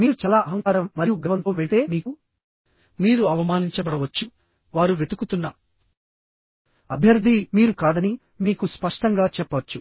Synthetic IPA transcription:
miːɾut͡ʃɐːlaːʔɐɦɐŋkaːɾɐmːɐɾijuɡɐʋɐnt̪oːʋeʈe̞ːmiːku | miːɾuɐʋɐmaːniɲt͡ʃɐbɐɽɐʋɐt͡ʃːu | ʋaːɾuʋet̪ukut̪unːɐ | ɐbʱjɐɾd̪ʱimiːɾukaːd̪ɐni | miːkuspɐʂʈɐŋɡaːt͡ʃɛpːɐʋɐt͡ʃːu

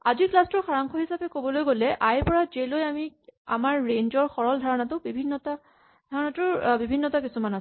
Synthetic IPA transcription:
aziklastɔɹxaɹaŋkʰɔɦisapɛkobɔlojɡolɛʔajpɔɹazelojamia̰maɹːeɲzɔɹxɔɹɔldʱaɹɔnatʊbibʱinːɔta | dʱaɹɔnatʊbibʱinːɔtakisumanas

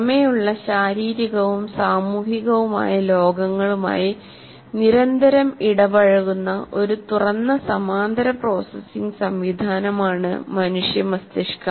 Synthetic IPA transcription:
ɐmejuɭːɐɕaːɾiːɾiɣɐʋumsaːmuːɦiɣɐʋuma̰ːjɐlo̞ːɡɐŋːɐɭuma̰ːji | niɾɐnd̪ʱɐɾɐmiɽɐʋɐɻɐɣunːɐʔo̞ɾut̪urɐnːɐsɐmaːnd̪ɐɾɐpro̞ːsɐsːiŋɡsɐmʋid̪ʱaːnɐmaːɳɨ̰mɐnuʂjɐmɐst̪eʂkɐ

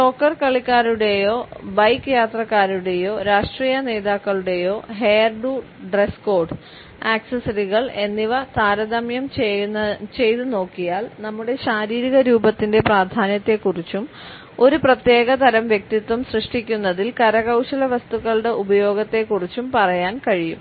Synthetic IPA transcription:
ʈo̞ːkːɐrkɐɭikːaːɾuɽe̞jo̞ːbɐjkːɨjaːt̪rɐkːaːɾuɽe̞jo̞ːɾaːʂʈriːjɐne̞ːðaːkːɐɭuɽe̞jo̞ːɦejɐrɖu | ɖresko̞ːrɖɨ | aːksɐsɐɾiɣɐɭe̞nːiʋɐt̪aːɾɐd̪ɐmjɐm | t͡ɕe̞jt̪ɨno̞ːkːijaːlnɐmːuɽe̞ɕaːɾiːɾiɣɐɾuːbɐt̪ːinde̞praːd̪ʱaːnjɐt̪ːe̞kːurit͡ɕːum | o̞ɾuprɐt̪je̞ːɣɐt̪ɐɾɐmʋjek̚t̪it̪ːʋumsrɨʂʈikʲːunːɐðilkɐɾɐɣɐwɕɐlɐʋɐst̪uɣɐɭuɽe̞ʔubɐjo̞ːɡɐt̪ːe̞kːurit͡ɕːumpɐrɐjaːnkɐɻijṵm

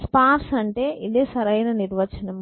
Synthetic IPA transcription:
spaːɾsɐɳʈeːʔid̪eːsɐɾɐjnɐniɾʋɐt͡ʃːɐnɐm

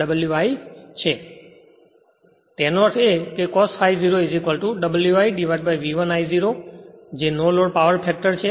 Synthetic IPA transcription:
əbəljuʋaːit͡ʃʰeː | t̪ɛ̃ːnoʋəkʰekekɔːsfaːiziɾoezikʋəlʈuɖəbəljuʋaːiɖiʋaʈ̚baiʋiʋənaːiziɾod͡ʑeːnoːloːɽpaʋəɾpʰɛːk̚ʈəɾt͡ʃʰe

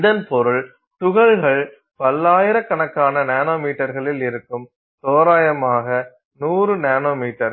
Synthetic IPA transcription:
ɪðɐnpɔɾɯɭ | t̪ʊɣɐɭɣɐɭ | pɐlːaːjɪɾɐkːɐɳɐkːaːnɐneːnoːmiːʈːɐɾɣɐɭɪlɪɾɯkːɯm | t̪oːɾaːjɐmaːɣɐ | nuːrɯnaːnoːmiːʈːɐɾ

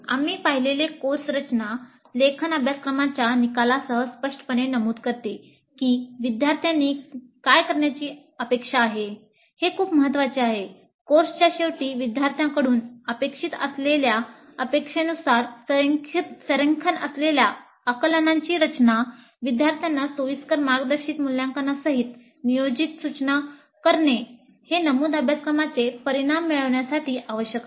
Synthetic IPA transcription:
a̰miːpaɦilelekoɾsɾət͡ɕna | lekʰənabʱjaskɾəmat͡ɕjanikalasəɦəspəʂʈə̥pəɳenəmuːd̪kəɾt̪e | kiːʋid̪jaɾt̪ʰjãnːiːkajkəɾɳjat͡ɕiː | əpekʂaːɦe | hekʰuːpməɦət̪ːʋat͡ɕeaɦe | koɾst͡ɕjaɕeʋʈiːʋid̪jaɾt̪ʰjãkəɽuːnəpekʂit̪ə̰slelja | əpekʂenusaɾskʰt̪səɾəŋkʰənəslelja | əkələnãɲt͡ɕiːɾət͡ɕna | ʋid̪jaɾt̪ʰjanːasoʋiskəɾmaɾɡd̪əɾɕiːt̪muljãŋkənasəɦit̪ | nijod͡ʑit̪sut͡ɕna | kəɾɳe | henəmuːd̪əbʱjaskɾəmat͡sepəɾiɽ̃amːiɭəʋɳjasaʈiːʔaʋəɕjək̪

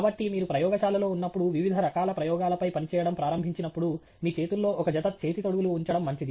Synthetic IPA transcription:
bɐʈːimiːɾupɾɐjɔːɡɐʃaːlɐlo̞ːunːɐpːuɽuʋiʋid̪ʱɐɾɐkaːlɐpɾɐjɔːɡaːlɐpɐjpɐnit͡ʃɛːjɐɽɐmpɾaːɾɐmbʱiɲt͡ʃinɐpːuɽu | miːt͡ʃe̞ːt̪ulːo̞ːʔɔkɐd͡ʒɐt̪ɐt̪̚t͡ʃe̞ːt̪it̪oɽuɡuluuɲt͡ʃɐɽɐmːɐɲt͡ʃid̪i

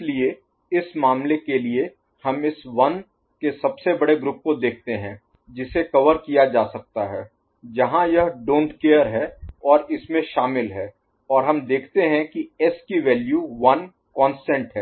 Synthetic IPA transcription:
ɪslie | ɪsmaːmlekelie | hɐmɪsʋɐn | kesɐbsebɐɽeɡɾʊp̚kod̪eːk̚ʰt̪eɦɛ̃ | d͡ʒɪsekɐʋəɾkijad͡ʒaːsɐk̚t̪aɦɛː | d͡ʒɐɦãjɐɦɖõːɳʈkeːəɾɦɛɔːɾɪsmẽʃaːmɪlɦɛː | ɔːɾɦɐmd̪eːkʰt̪eɦɛ̃kiɛskiʋɛːljuʋɐn | kɔ̃ːnsʈɛ̃ɳʈɦɛː

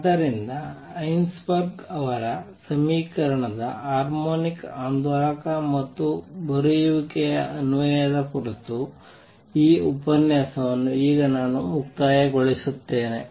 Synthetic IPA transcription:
d̪ɐɾind̪ɐɐjnsbɐɾɡɐʋɐɾɐsɐmiːkɐɾɐɳɐd̪ɐ̰ɦaːɾmoːnikaːnd̪ʱɔɭɐkɐmɐt̪ːubɐɾujuʋikɛjɐɐnuʋɐjɐd̪ɐkuɾit̪u | iːupɐnjaːsɐʋɐnːuiːɡɐnaːnumuk̚t̪aːjɐɡoɭisut̪ːe̞ːne

